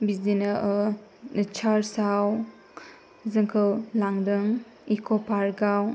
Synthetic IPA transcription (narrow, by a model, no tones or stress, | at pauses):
bizinaʔ | t͡ʃʰaɾsaw | zɯŋkʰɯwlaŋdɯŋ | ikʰɔpʰaɾɡaw